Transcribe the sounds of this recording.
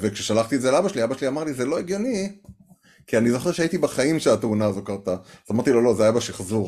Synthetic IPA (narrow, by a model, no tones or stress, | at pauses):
vekʃeʃalaχt̪ietzelabaʃeliabaʃeliamaʁlizelo̞eɡjo̞ni | kianizo̞χeʁʃeait̪ibaχaimʃelat̪unaːzo̞kaʁt̪aazamaʁt̪ilo̞lo̞zeajabaʃeiχzuʁ